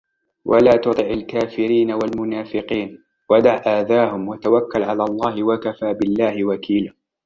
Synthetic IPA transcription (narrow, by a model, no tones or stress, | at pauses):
wʔa̰laːt̪ʊd̪ˤɨʕalkaːfɪɾiːnawalmʊnaːfɪqiːn | wad̪aʕʔaːd̪aːhʊmwat̪awakːalʕalaːlˤːɑːhɪwakafaːbɪlːaːhɪwakʰiːlaː